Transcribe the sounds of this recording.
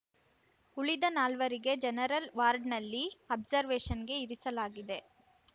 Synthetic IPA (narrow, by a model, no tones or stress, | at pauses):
uɭid̪ɐnaːlʋɐɾiɡe̞d͡ʒɛnɐɾɐlʋaːɾɖnɐlːiɐbzɐɾʋeːʂɐnɡe̞iɾisɐlaːɡid̪e̞